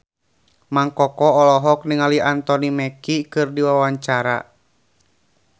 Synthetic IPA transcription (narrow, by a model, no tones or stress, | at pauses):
maŋkɔkɔɔlɔɦɔk̚niŋaliant̪ɔnimɛkikɨrdiwawaɲt͡ʃaɾa̰